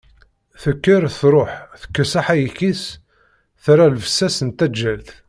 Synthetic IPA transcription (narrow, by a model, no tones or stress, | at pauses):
θəkːəɾθɾˤoħθə̥kːəsaħæjəkis | θɾalvəsːæsənt̪æd͡ʒːælθ